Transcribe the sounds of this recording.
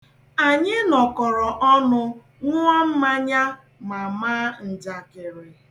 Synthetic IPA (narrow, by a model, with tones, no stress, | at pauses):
a˨ɲɪ˦nɔ˨kɔ˨ɾɔ˨ʔɔ˦nʊ˦ | ŋʷʊ˦ɔ˦m̩˦ma˦ɲa˦ | ma˨maː˦n̩˨d͡ʒa˨kɪ˨ɾe˨